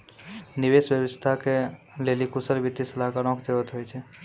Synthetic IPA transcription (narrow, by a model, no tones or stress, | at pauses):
niʋesʋjəʋəst̪ʰake | lelikusəlbit̪ːisəlakaɾɔ̃kd̪eʋət̪ɦojt͡ʃʰe